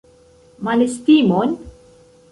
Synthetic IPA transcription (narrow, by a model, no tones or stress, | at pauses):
mɐnɪst̪iːmɔn